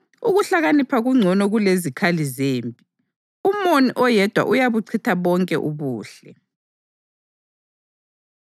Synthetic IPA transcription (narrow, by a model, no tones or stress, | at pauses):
uɣuɬaɣanipʰaɣuŋ͡ǀʱɔnɔɣulezikʰalizeːmpʼi | umoniʔɔjɛd̥ʱwa̰ʔujaβuǀʰitʰaβɔŋkʼɛʔuβuːɬɛ